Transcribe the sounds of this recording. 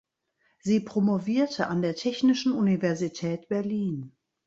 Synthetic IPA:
ziːpʁ̥omoviːɐtʰəʔandeːɐtʰɛçnɪʃn̩ʔunivɛɐzitʰɛːtb̥ɛɐliːn

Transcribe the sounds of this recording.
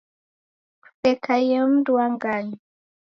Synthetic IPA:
sɛkʰajəm̩dwaŋɡaɲi

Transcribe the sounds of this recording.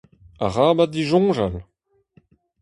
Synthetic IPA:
a̰ʁaːbadiʒɔ̃ːʒal

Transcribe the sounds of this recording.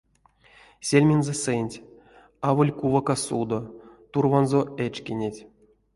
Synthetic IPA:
sʲelʲmʲenzɛsenʲtʲ | avolʲkuvakasud̪ot̪urvanzoet͡ʃkʲenʲetʲ

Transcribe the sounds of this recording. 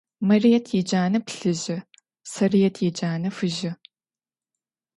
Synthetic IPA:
mɐrijɛtʰjɛd͡ʒaːnɐpɬɨʑɪ | sɐrijɛtʰjɛd͡ʒaːnɐfɨʒɪ

